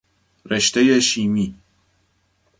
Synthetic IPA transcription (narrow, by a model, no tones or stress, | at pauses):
ɾeʃt̪ejeʃiːmiː